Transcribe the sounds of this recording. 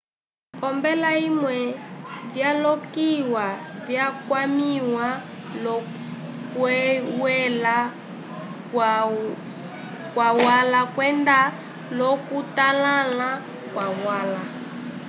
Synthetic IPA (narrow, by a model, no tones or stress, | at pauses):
pɔmbɛlaimwɛvjalɔkiwavjakwamiwa | lɔ | kwɛwɛla | kwawalakwɛnda | lɔkutalala | kwawala